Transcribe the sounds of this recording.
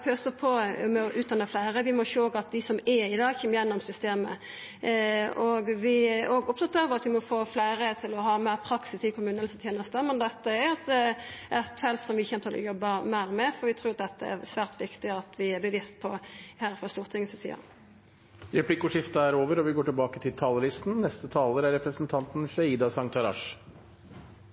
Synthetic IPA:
pʰøːsəpʰɔmɛɔʔʉːt̪̚d̪ɑnːəflæɪɾəʋɪmɔʃoːoːɡɑt̪̚d̪ɪsɔmɛɾɪd̪ɑːɡçɛmːjɛnːɔmsʏst̪eːmə̰ | ɔɡʋɪoːɡʊp̚t̪ɑt̪ːəfɔʁɑt̪ʋɪmɔfoːflæɪɾət̪ʰɪlɔɦɑːmæɪɾpʰɾɑksɪsɪkʰʊmʉːnənst̪ʰjeːnəst̪əmɛnd̪ɛt̪ːəɛɾɑt̪ɛɛt̪fɛlt̪sɔmʋɪçɛnət̪ʰɪlɔ̰jɔbːəmæːʁmɛfɔɾʋɪt̪ʰɾʉːɑt̪̚d̪ɛt̪ːəɛ̰ʁsʋæːʁt̪ʋɪkt̪ɪɑt̪ʰʋɪɛbləʋiːst̪̚pʰɔhæːɾfɔst̪uːʁt̪ʰɪŋsəsḭɑ̰ | ɾɛpʰlɪkːʊʂɪft̪ɑæɾoːʋəɾɔʋɪɡoːʈɪlbɑːkət̪ʰɪlt̪ʰɑːləlɪst̪nnɛst̪ət̪ʰɑːləɾæɾɛpɾəsənt̪ʰɑnt̪n̩ʃɛiːd̪ɑsɑŋt̪ʰɑɾɑ̰ʂ

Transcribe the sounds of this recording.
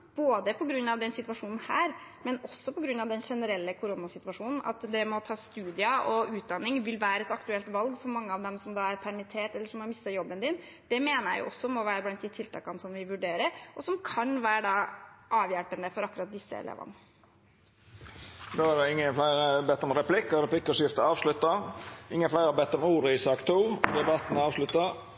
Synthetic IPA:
b̥oːd̪əpʰɔɡɾʉnːɑʋd̪ɛnsɪt̪ʋɑʂuːnn̩hæːɾ | mɛnɔsːɔpʰɔɡɾʉnːɑʋd̪ɛnʂɛnəɾɛlːəkʰʊɾʊnɑsɪt̪ʉʋɑʂuːnn̩ɑ̰t̪d̪ɛmɔt̪ʰɑːst̪ʉːd̪ɪɑʔɔʉːt̪̚d̪ɑnːɪŋʋɪlʋæːɾəɛt̪ɑkt̪ʉɛlt̪ʋɑlɡfɔɾmɑŋːəɑʋd̪ɛmsɔmd̪ɑːæɾpʰæɾmɪt̪ʰeːʈɛlːəʂɔmhɑɾmɪst̪əɾjɔbːənd̪ɪn | d̪̥ɛmeːnəɾjæ̰ɪjʊ̰ʔɔsːɔmɔʋæːɾəblɛnt̪ɪːt̪ʰːɪlt̪ʰɑ̰ːkɑnsɔmʋɪʋʉɖeːɾəɾʔɔsɔmkʰɑnʋæːɾəɖɑːʔɑːʋjælpənəfɔɾɑkːʉɾɑt̪̚d̪ɪsːə̰ɛ̰lḛːʋɑ̰nə | d̪oːæd̪ɛɪŋːənflæɪɾəbɛt̪ːɔmɾɛpʰlɪkːəɾɛpʰlɪkːɔʂjɪft̪əɑːʋʂlʉt̪ːəɪŋːənflæɪɾɑbɛt̪ːɔmuːɾəɪsɑːkt̪ʰuːd̪ɛbɑt̪ən̩ɑːʋʂlʉt̪ːə

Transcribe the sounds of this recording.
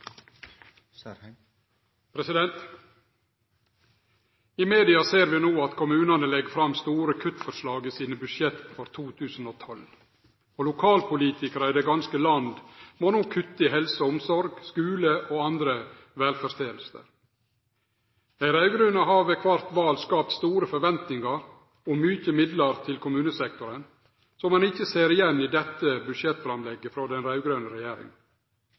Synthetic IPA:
pʰɾɛsɪd̪ɛnt̪ | ɪmeːd̪ɪɑseːɾʋɪnoːɑt̪kʰʊmʉːnɑnəlɛɡfɾɑmst̪uːɾəkʰʉt̪fɔɾʂlɑːɡəsiːnəbʉʃjɛt̪fɔɾt̪ʰuːt̪ʰʉːsn̩oːt̪ʰɔl | oːlʊkʰɑːlpʰʊliːt̪ɪkəɾɑid̪eːɡɑnskəlɑnd̪moːnuːkʰʉt̪ːɪhɛlsəɔmsɔɾɡskʉːləʔoːɑnd̪ɾə | ʋɛːlfɔɾst̪eːəlsə̰ɾ | æɪɾɑʉɡɾœnəɦɑːʋɛkʰʋɑɾt̪ʋɑːlskɑːp̚t̪st̪uːɾəfɔɾʋɛnt̪nɪŋɑɾ | ɔmʏçəmɪd̪ləɾt̪ʰɪlkʰʊmʉːnəsɛk̚t̪ʊɾən | sɔmɑnɪçəseːɾɪjɛnːiːd̪ɛt̪ːəbʉd̪ʃjɛt̪ːfɾɑmlɛɡːəfɾoːd̪ɛnɾɑʉɡɾœːnəɾɛjeːɾɪ̰ŋ

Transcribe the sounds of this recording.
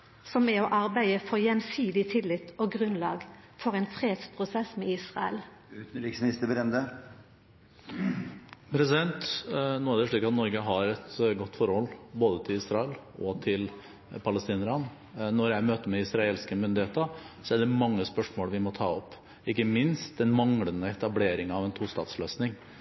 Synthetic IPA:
sɔmɛɔʔɑʁbæɪəfɔʁjɛnsiːd̪ɪt̪ʰɪlɪt̪ɔːɡʁʉnlɑ̰ːɡ | fɔʁɛnfʁeːd̪spʰɾʊsɛsmɛiːsʁɑə̰lː | ɾɪsɪst̪əbɾɛnd̪ə | pʰɾɛsɪd̪ɛnt̪noːæɖɛʂɭiːkɑt̪nɔɾɡəɦɑɾɛt̪ɡɔt̪ːfɔɾhɔlːboːd̪ət̪ʰɪlɪːsɾɑɛl | ɔt̪ʰɪl | pʰɑləst̪iːnəɾɑn | nɔɾjæɪmøːt̪əmɛɪsɾɑeːlskəmʏnd̪ɪheːt̪əsɔæɖɛmɑŋːəspœʂmoːlʋɪmɔt̪ʰɑ̰ːɔpː | ɪkːəmɪnst̪̚d̪ɛnmɑŋɽənəɛt̪ɑbleːɾɪŋɑʋɛnt̪ʰuːst̪ɑ̰ːt̪sløːsnɪŋ

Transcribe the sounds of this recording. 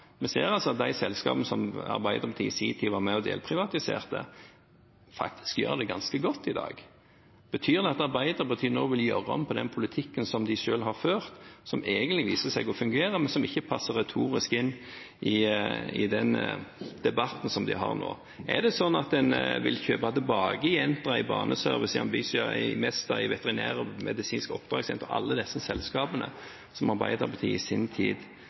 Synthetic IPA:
mɛsḛːɾɑlsɔɑt̪̚d̪æɪsɛlskɑ̰ːbənəsɔmɑ̰ɾbæɪd̪əɾpʰɑt̪iːsiːt̪ʰiːʋɑːɾmɛɔd̪ḛːlpʰɾɪʋɑt̪ɪsḛːʁt̪ə̰ | fɑ̰k̚t̪ʰɪ̥skjø̰ːɾd̪ɛɡɑnskəɡɔt̪ːɪd̪ɑ̰ːɡ | b̥ət̪ʰyːʁd̪ɛɑt̪ɑɾbæɪd̪əɾbət̪ʰyːnoːʋɪljøɾɔ̰mpʰɔd̪ɛnpʰʊlɪt̪ʰɪkːənsɔmd̪ɪʃøːlɦɑʁføːʁt̪sɔmeːɡənt̪lɪʋiːsəsæɪɡɔfʉŋɡeːɾəmɛnsɔmɪçːəpʰɑsːəɾɛt̪ʰuːɾɪskɪnː | ʔɪɪd̪ɛnd̪̥ɛbɑt̪ːn̩sɔmd̪ɪɦɑ̰ʁno̰ː | ʔæ̰ʁd̪ɛsɔnːɑt̪̚d̪ɛnʋɪ̰lçøːpɑt̪ɪbɑːɡəɪjɛnt̪əɪbɑ̰ːnəsœɾʋɪsɪɑ̰mbiːsɪɑɪ̰mɛst̪ɑɪʋɛt̪ɛʁɪnæ̰ːʁəmɛd̪ɪsiːnskɔp̚ːd̪̥ʁɑːɡsjɛ̰nt̪ːɔɑ̰lːəd̪ɛsːəsɛlskɑːbənə̰ | sɔmɑɾbæ̰ɪd̪ɑpʰɑt̪ʰḭːɪsɪnt̪ʰḭːd̪

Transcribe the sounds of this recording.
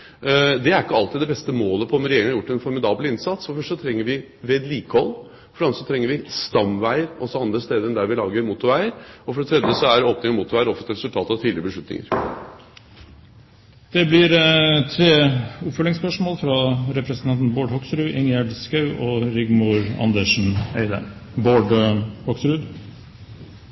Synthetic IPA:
d̪ɛæɾɪkːəɑlt̪ɪd̪d̪ɛbɛst̪əmoːləpʰɔɔmɾɛjeːɾɪŋɑɾjʊʈːɛnfɔɾmɪd̪ɑːblɪnsɑt̪sfɔɾfœʂʈət̪ʰɾɛŋːəɾʋɪ | ʋeːd̪liːkəhɔlː | fɔɖɛɑnəsɔt̪ʰɾɛŋːəɾʋɪst̪ɑmʋæɪəɾɔsɔɑnd̪ɾəst̪eːd̪əɾɛnd̪æɾʋɪlɑːɡəɾmut̪ʊɾʋæɪəɾɔfɔɖɛt̪ʰɾɛd̪jəsɔæɾoːpnɪŋmuːt̪ːʊɾʋæɪɾɔfət̪ɾɛsʉlt̪ʰɑːt̪ɑʋt̪ʰiːd̪ɪɾəbəʂɭʉt̪nɪ̰ŋə̰ɾ | d̪̥ɛblɪɾt̪ʰɾeːʊpfœlɪŋspœʂmoːlfɾɑɾɛpɾəsənɑnt̪n̩boːɖhɔksɾʉːʔɪŋjæɖskɑʉʔɔɾɪɡmʊɾɑ̰nd̪əʂn̩ḛɪd̪ə̰ | boːɖhɔksɾʉd̪

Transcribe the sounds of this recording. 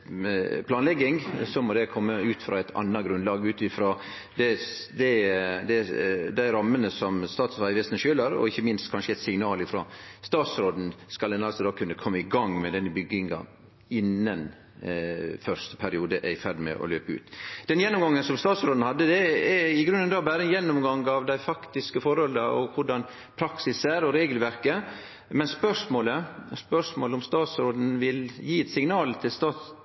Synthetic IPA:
pʰlɑːnlɛɡːɪŋsɔmɔd̪ɛkʰɔmːəʉːt̪fɾɑ̰ːæɪt̪ʰɑ̰nːɑɡɾʉnlɑːɡəʉːt̪ɪfɾoː | d̪ɛd̪ɛd̪ɛd̪æɪɾɑmːənəsɔmst̪ɑːt̪sɑːɪʋɛst̪nəʃøːləɾɔ̰ɪçːəmɪnst̪kʰɑnʂəɛɪt̪sɪŋnɑːlɪfɾo̰st̪ɑːt̪sɾoːd̪n̩skɑld̪ɛnɑlsɔd̪oːkʰʉnːəkʰɔmːəɪɡɑŋmɛd̪ɛnːəbʏɡːɪŋɑ̰ | ɪnːən | fœɾʂt̪ə̥pʰæɾɪuːd̪əʔæ̰ɪfæɾɖmɛ̰ʔɔ̰lø̰ːpəʉ̰ːt̪d̪̥ɛnjɛnːʊmɡɑŋːənsɔmst̪ɑːt̪sɾoːd̪n̩hɑd̪ːəd̪ɛɛɪɡɾʉnːənd̪ɑːbæːɾəɛnjɛnːʊmɡɑŋɑʋd̪æɪfɑkt̪ɪskəfɔɾɔləɔkʰʊɖɑn | pʰɾɑksɪsæɾɔɾeːɡəlʋæɾkə | mɛnspœʂmoːləspœʂmoːləʊmst̪ɑːt̪sɾoːd̪n̩ʋɪljiːɛt̪sɪŋnɑːlt̪ʰɪlst̪ɑːt̪

